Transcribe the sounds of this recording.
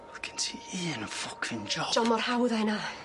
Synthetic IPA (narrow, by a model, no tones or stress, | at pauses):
kʰəntʰiːiənəfʊkʰɪ̃nd͡ʒɔd͡ʒ̥ɔmɔrhawðajna